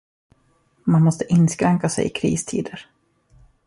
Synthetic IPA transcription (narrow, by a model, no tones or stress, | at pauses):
manmɔst̪əʔɪnːskɾɛŋkasɛ̰jɪ̰kʰɾḭːst̪ʰiːd̪əɾ